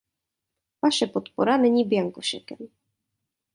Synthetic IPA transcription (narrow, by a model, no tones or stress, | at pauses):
vaʃɛpɔt̪pɔɾanɛɲibjaŋkɔɕɛkɛm